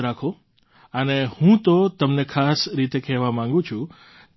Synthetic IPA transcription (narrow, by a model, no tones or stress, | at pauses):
ɾakʰo | ənehũt̪ot̪əmnekʰasɾit̪ekɛɦʋamãŋɡũt͡ʃʰũ